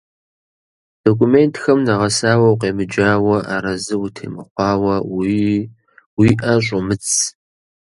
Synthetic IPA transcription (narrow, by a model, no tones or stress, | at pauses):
d̥okʷʰumeːntʰxɐmnɐʁɐsaːwɐwqeːmɨd͡ʒaːwɐʔa̰ːɾɐzɨwutʰḛːmɨχʷɑːwɐwi | wiːʔɐɕ̬ʼʊmɨt͡sʰʼ